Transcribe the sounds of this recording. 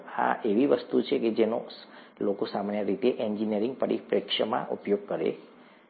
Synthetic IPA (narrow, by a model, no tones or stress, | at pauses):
a̰ʔeʋiʋəst̪ut͡ʃʰeked͡ʒeno̰ | lokosamanjəɾit̪eʔɛɲd͡ʒiniəɾiŋɡ̚pəɾḭpɾekʃəmã̰ʔupjoɡ̚kəɾḛ